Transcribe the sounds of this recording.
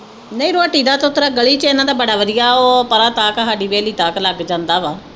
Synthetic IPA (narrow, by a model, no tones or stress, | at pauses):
nəĩːɾoaːʈiːd̪aːt̪ot̪ɾaːɡəɭiːt͡ʃeɪnãːd̪aːbəɽaːʋəd̪ɪjaːoːpəɾaːt̪aːkəɦaːɖiːʋeːliːt̪aːkləɡd͡ʒãːnd̪aːʋaː